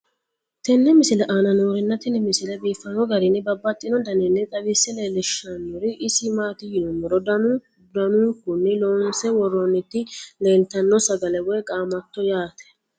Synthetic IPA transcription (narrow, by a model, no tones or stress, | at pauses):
t̪ɛnːɛmɪsɪlɛʔanɐnuːɾɪnːɐt̪ɛnːɛmɪsɪlɛbiːfːɐnɔɡɐɾɪnːɪbɐbːɐt̪ʼːɪnɔd̪ɐnɛnːɛt̪ʼɐbɪsːɛleːlɪʃɐnːʊɾɪʔɪsɪmaːt̪ɪjɪnʊmɔɾɔd̪ɐnu | d̪ɐnukʊnːɪlɔnsɛwɔrːɔnːɪt̪ːɪle̞ːlt̪ɐnːɔsɐɡɐlɛwɔjkʼaːmɐt̪ːɔjaːt̪ɛ̥